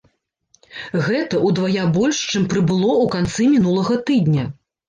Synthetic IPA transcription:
ɣɛt̪ɐʔud̪vajabɔlʲʂt͡ʂɨmpɾɨbɨlˠɔukant̪sɨmʲinulˠɐɣɐt̪ɨd̪ʲnʲɐ

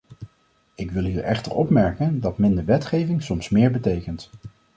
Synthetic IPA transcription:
ɪkʋɪlˠɦiːɹʔɛχtə̰ɹɔpmɛɹkəndɑtmɪndəɹʋɛtχejvɪŋsɔmsmɪːɹbətejkənt

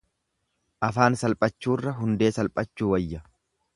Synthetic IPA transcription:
ʔɐfaːnsɐlpʼɐt͡ʃːuːrːɐɦʊnd̪e̞ːsɐlpʼɐt͡ʃːuːwɐjːɐ

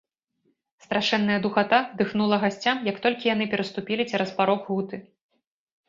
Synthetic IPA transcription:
st̪ɾaʂɛnːɐjɐd̪uxat̪ad̪ɨxnulˠɐɣasʲt͡sʲamjɐkt̪ɔlʲkʲijanɨpʲɛɾɐst̪upʲilʲit͡sʲɛɾɐspaɾɔkɣut̪ɨ

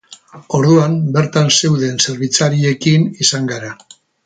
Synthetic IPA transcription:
o̞ɾðuambe̞ɾt̪anse̞wðe̞nse̞ɾβit͡saɾie̞kinisaŋɡaɾa

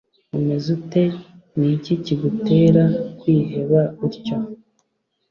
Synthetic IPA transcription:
umezute̞ | niciciɡute̞ːɾakwiːɦe̞βaiɾco

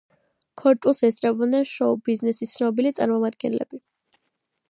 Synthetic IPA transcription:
kʰɔɾt͡ʃʼulˠsɛst̪sʼɾɛbɔd̪nɛnʃɔbiznɛsit̪sʰnɔbilit̪sʼaɾmɔmad̪ɡɛ̰nlɛ̰b̥i

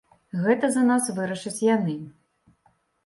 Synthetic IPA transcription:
ɣɛt̪ɐzɐnasvɨɾɐʂɐt͡sʲjanɨ

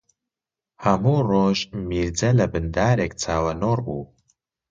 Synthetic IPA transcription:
hɐmuːroːʒmiːɾd͡zɐlɐbɨnd̪aːɾeːkt͡sʰaːwɐnoːɾbuː

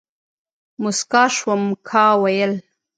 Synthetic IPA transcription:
mʊskɑːʃwəmkʰɑːwajəl

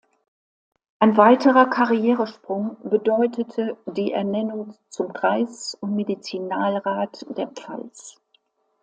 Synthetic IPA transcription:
ʔaɪnvaɪtʰəʁɐkʰaʁijɛːʁəʃpʁ̥ʊŋbədɔʏtətʰədiːʔɛ̰ɐnɛnʊŋt͡sʊmkʁ̥aɪsʊntmedit͡sinaːlʁaːtd̥eːɐpp͡fa̰ls

